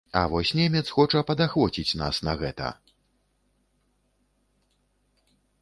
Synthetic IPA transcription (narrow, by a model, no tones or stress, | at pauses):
ɐ̰vɔsʲnʲɛmʲɛt̪sxɔt͡ʂɐpɐd̪axvɔt͡sʲit͡sʲna̰snɐɣɛt̪ɐ̰